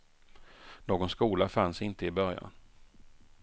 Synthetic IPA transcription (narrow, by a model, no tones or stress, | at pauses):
noːɡɔnskuːlafansɪnt̪əɪbœɾja̰n